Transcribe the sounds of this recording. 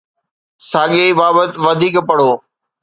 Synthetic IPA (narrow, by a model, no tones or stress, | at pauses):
saːɠebaːbət̪ʋɐd̪ʱiːkpɐɽ̤oː